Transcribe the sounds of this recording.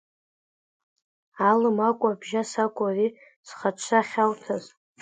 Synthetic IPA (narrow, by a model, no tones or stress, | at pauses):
alɨmakʷʼabʒasakʷʼari | sχat͡ʃʷʰaχʲawtʰaz